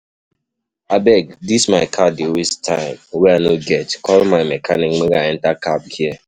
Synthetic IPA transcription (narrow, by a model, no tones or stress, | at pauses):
abɛk̚dismaɪkʰadiwistʰãɪ̃mweanoɡɛtkɔlmaɪmekʰanɪk̩ŋ͡meɡaɛ̃n̩takap̚hie